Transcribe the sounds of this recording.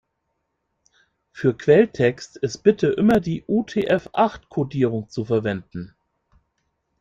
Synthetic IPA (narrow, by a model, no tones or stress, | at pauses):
fyːɐkʰv̥ɛltʰɛkstɪst̚b̥ɪtəʔɪmɐdiːʔutʰeːʔɛfʔaχtkʰodiːʁ̞ʊŋt͡sufɛɐvɛndn̩